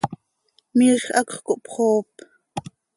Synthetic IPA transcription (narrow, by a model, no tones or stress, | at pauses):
miɬʔɑkχkoʔpχoːp